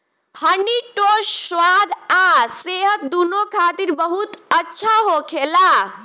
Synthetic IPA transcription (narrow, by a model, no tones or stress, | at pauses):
həniʈosːwad̪ʱaseɦət̪̚d̪unokʰat̪iɾbəɦut̪ətːʃʰaɦokʰela